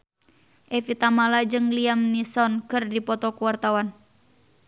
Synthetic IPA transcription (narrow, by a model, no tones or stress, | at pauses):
ʔɛfit̪amalad͡ʒɨŋliamnisɔnkɨrdipɔt̪ɔkuwart̪awan